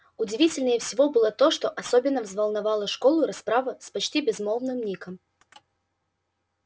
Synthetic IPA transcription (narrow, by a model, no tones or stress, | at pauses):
ʊdʲɪvʲitʲɪlʲnəjəfsʲɪvo̞bɨlˠət̪o̞ʂt̪o̞ʔɐsobʲɪnːəvzvəlˠnɐvalˠəʂkolˠʊɾɐspɾavəspɐt͡ɕtʲibʲɪzmolˠnɨmnʲikəm